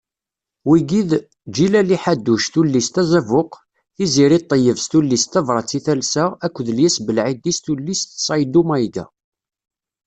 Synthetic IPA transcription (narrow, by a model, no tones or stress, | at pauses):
wiɡið | d͡ʒilæliħad̪ːuʃθulːist̪æzævʊq | θiziɾit̪ˤːəjəvst̪ulːist̪ævɾˤɑt͡sːiθælsəækʷːəðəljæsbəlʕid̪ist̪ulːist̪sˤɑjd̪umæjɡæ̰